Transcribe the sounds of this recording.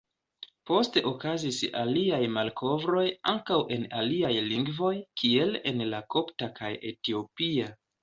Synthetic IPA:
po̞ste̞ʔo̞kazisa̰liajmalkʰo̞vɾo̞jaŋkawʔe̞na̰liajliŋɡvo̞jkʰie̞le̞̰nlako̞ptakaje̞tio̞pia

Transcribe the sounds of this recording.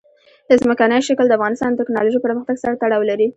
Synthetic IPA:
d̪əzməkanəjoʃakld̪əafɣɑnɪst̪ɑnd̪ət̪ɪknɑloʒijpəɾməxt̪aɡsaɾat̪aɽɑwlaɾi

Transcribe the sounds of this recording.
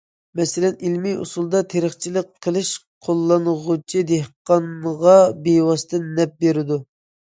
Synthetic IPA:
mɛsɪlɛnilmiṵsulˠd̪ɑt̪ʰeɾəχt͡ʃʰiləqʰːəlˠɨʃqʰolˠːɑnʁʊt͡ʃʰid̪ehqɑnʁɑbewɑst̪ʰɨnːɛp̚beɾɪd̪u

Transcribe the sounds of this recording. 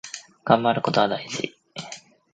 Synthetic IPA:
ɡ̥ãmbaɾɯ̟ko̞t̪o̞β̞ad̪aiʑḭ

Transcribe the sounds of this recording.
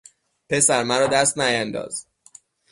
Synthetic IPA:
pʰe̞sæɾmæɾɒːd̪æst̪næjænd̪ɒ̰ːz̥

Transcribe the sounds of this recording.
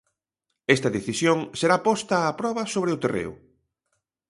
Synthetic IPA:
ɛst̪ɐðeθisjoŋseɾapɔst̪ɐːpɾɔβɐsoβɾeʊt̪erḛʊ̰

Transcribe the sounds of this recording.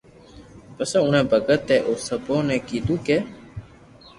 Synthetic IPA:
pəsɛ̃ːʊnɛ̃ːbʱəɡət̪ːɛːʔoːsəbõːnɛ̃ːkiːd̪uːkeː

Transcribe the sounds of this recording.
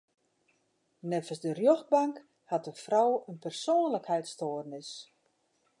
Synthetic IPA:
nɛfəsdərjox̚baŋk | hat̚əfrɔwənpərsoːnləkhɛjtstoːərnɪs

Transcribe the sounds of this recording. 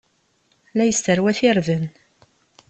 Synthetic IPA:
læjəst̪əɾwæθɪɾðən

